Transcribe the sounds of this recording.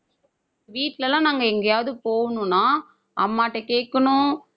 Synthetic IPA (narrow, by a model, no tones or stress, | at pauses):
ʋiːʈːɪlɐlãːnaːŋɡɐɛŋɡɐjaːʋðɯpoːɣɐnʊ̃nːaː | ʔɐmːaːʈːɐkeːʈkːɐɳʊ̃